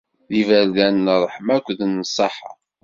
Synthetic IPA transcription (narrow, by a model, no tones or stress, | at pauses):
ðivæɾðænːrˤːəħmækʷːðnːəsˤːɑħɑ̰